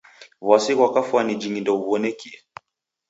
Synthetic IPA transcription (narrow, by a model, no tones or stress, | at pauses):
βasikwakafuanid͡ʒiŋindɔuβɔnɛkiɛ